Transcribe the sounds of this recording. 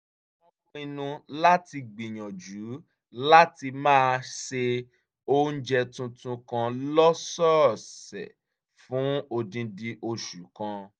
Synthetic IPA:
ɔ˧mɔ̃˧˦i˧nũ˧la˦ti˧ɡ͡bi˨j̃ã˨d͡ʒu˨˦ | la˦ti˧mãː˦˧ʃe˧ | o˦n̩˦d͡ʒɛ˧tũ˧tũ˧kã˧lɔ˦sɔ˦˨ssɛ̰˨ | fũ˨˦o˧dĩ˧di˧ʔo˧ʃu˨˦kã˧

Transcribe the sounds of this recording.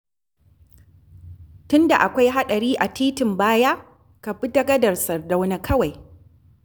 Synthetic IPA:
tʊ˦nda˨ʔa˨kʷa˦jɦa˦ɗɐ˨ɾiː˦ʔa˨tʰiː˦tɪ˨mbaː˦ja˦ | ka˨bɪ˦dɐ˦ɡɐ˦dɐ˨rsɐ˨rda˦wna˦kʰɐ˦wa˨j

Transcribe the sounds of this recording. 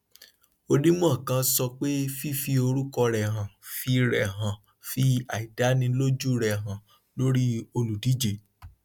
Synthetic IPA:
o˧nĩ˦mɔ̃˦˨kã˧sɔ˧k͡pe˦fi˦fi˧o˧ɾu˦kɔ˧ɾɛ˨ɦã˨fi˧ɾɛ˨ɦã˨ | fi˧a˨i˨da˨˦nĩ˧lo˦d͡ʒu˦ɾɛ˨ɦã˨ | lo˦ɾi˦o˧lu˨di˨˦d͡ʒe˨

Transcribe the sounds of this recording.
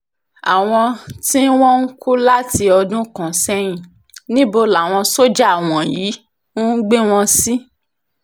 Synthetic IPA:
a˨w̃ɔ̃˧ti˦n̩˦w̃ɔ̃˦ŋ̩˦kʰu˦la˦ti˧ɔ˧dũ˦kã˨sɛ˦j̃ĩ˨ | nĩ˦bo˧la˨w̃ɔ̃˧so˦d͡ʒa˦a˨w̃ɔ̃˨jiː˨˦ | ũ˦n̩˦ɡ͡be˦w̃ɔ̃˧si˦

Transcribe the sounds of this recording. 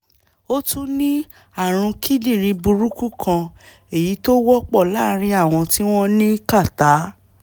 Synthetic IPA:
o˦tũ˦nĩ˦ | a˦˨ɾ̃ũ˧ki˦di˦˨ɾ̃ĩ˧bu˧ɾu˦ku˦kʰã˧ | e˦˨ji˨˦to˦wɔ˦k͡pɔ˦˨la˦ɾ̃ĩ˧a˦˨w̃ɔ̃˧ti˦w̃ɔ̃˦nĩ˦ka˦˨ta˨˦

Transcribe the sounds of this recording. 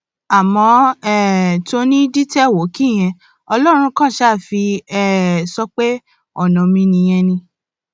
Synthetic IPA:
a˨mɔ̃˨˧ɛ˨to˧nĩ˦di˦tɛ˦˨wo˨˦ki˦˨j̃ɛ̃˧ | ɔ˧lɔ˦ɾ̃ũ˧kã˦˨ʃa˦˨fi˧ɛ˨sɔ˦k͡pe˦ | ɔ˨nɔ̃˨mĩ˧nĩ˧j̃ɛ̃˧nĩ˧

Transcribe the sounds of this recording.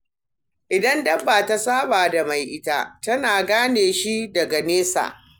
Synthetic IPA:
ʔɪ˨dɐ˦ndɐ˦bːaː˨ta˦saː˦baː˨da˨ma˨jʔɪ˦ta̰˦tɐ˦naː˨ɡaː˦neː˨ʃi˦dɐ˨ɡa˨neː˦sa̰ː˨ʔ

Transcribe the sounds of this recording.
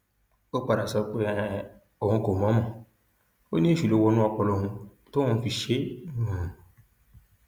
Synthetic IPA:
o˦k͡pa˨ɾa˨sɔ˧k͡pɛ˦ | o˨hũ˧˦ko˨mɔ̃˨˦mɔ̃˨ | o̰˦nĩ˦e˦˨ʃu˨lo˧˦wɔ˧nũ˦ɔ˧k͡pɔ˨lo˦˨ɦũ˧ | to˦ũ˦˧˦fi˧ʃe˦˨˦

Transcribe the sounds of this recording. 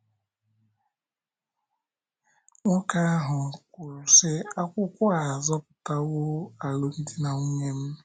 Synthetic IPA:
ŋɔ˦ka˦a˦ɦʊ˨kʷʊ˨ɾʊ˨se˦a˦kʷʊ˦kʷʊ˦a˨zɔ˦pʊ̥˨ta˦wo˦a˨lo˨n̩˦di˦na˨ŋʷu˦ŋe˦m̩˦

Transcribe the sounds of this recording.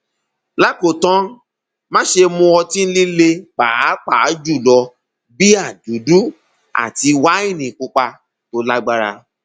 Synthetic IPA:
la˦ko˨tã˦ | mã˦ʃe˧mũ˧ɔ˧tĩ˦n̩˦li˦le˧k͡pa˨˦k͡pa˨˦d͡ʒu˦˨lɔ˧ | bi˦a˦˨du˨˦du˦ | a̰˨ti˧wa˦i˦˨nĩ˨kũ˦k͡pa˧ | to˦la˦ɡ͡ba˧ɾa̰˧

